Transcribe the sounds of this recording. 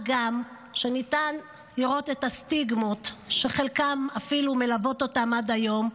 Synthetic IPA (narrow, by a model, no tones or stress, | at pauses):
ɡam | ʃe̞nitan | liʁo̞tetastiɡmotʃe̞χe̞lkamafilume̞lavo̞to̞tamadajo̞m